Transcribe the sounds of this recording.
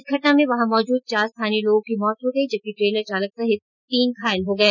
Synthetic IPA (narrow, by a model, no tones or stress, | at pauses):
kʰɐʈnamẽʋɐɦãmɔːd͡ʒuːd̪̚t͡ʃaːɾst̪ʰaːniloːɡõkimɔːt̪ɦoɡɐid͡ʒɐb̚kiʈɾeːləɾt͡ʃaːlək̚saɦɪ | t̪iːnkʰaːɪlɦoɡɐɛː